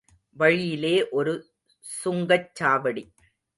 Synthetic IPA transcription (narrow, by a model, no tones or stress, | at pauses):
ʋɐɻɪjɪleːʔɔɾɯ | sʊŋɡɐt͡ʃːaːʋɐɽi